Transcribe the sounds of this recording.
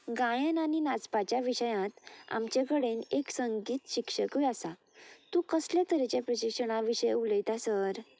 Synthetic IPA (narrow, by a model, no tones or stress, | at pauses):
ɡãjənaninat͡spat͡ɕjaʋiɕəjãt̪a̰mt͡ɕekəɽeneksəŋɡiːt̪ɕikʂəkʋiasa | t̪ũkəslãt̪əɾet͡ɕepɾəɕikʂəɽ̃aʋiɕəjuləjt̪asəɾ